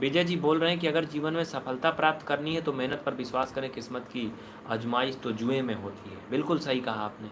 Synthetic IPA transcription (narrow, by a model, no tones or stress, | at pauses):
beːd͡ʒad͡ʒiːboːlɾɐɦẽk̬iɐɡəɾd͡ʒiːʋənmẽsɐfʰəlt̪apɾaːp̚t̪kɐɾniɦɛ̃t̪omɛɦnət̪̚pɐɾʋɪswaːskɐɾẽkɪsmət̪ki | ɐd͡ʒmaːist̪od͡ʒuemẽɦoːt̪iɦɛ̰ːbɪlkʊlsɐɦikɐɦaːpneː